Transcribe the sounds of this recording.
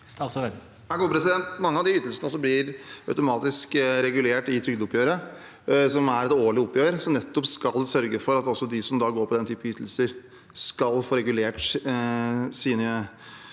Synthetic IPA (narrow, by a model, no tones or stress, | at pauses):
sɛ | ɡuːpʰɾɛsɪd̪ɛnt̪mɑŋːəɑʋd̪ɪʏt̪ːəlsənəɔsːɔblɪɾœʉt̪ʊmɑːt̪ɪskɾɛɡʉleːʈɪt̪ʰɾʏɡd̪əʊpʰjøːɾə | sɔmæɾɛt̪oːɭɪʊpːjøːɾsɔnɛt̪ːɔpskɑlsœɾɡəfɔɾɑt̪ɔsːɔd̪ɪsɔmd̪ɑɡoːɾpʰɔd̪ɛnt̪ʰyːpəʏt̪ːl̩səɾ | skɑlfoːɾɛɡʉleːʈ | siːnə